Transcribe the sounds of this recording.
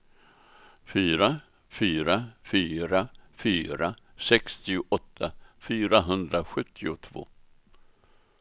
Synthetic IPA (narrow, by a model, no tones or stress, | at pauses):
fyːɾa | fyːɾafyːɾafyːɾa | sɛkst̪ɪʊʔɔt̪ʰːafyːɾaɦɵnd̪ɾaɧɵt̪ːɪʊt̪ʰvo̰ː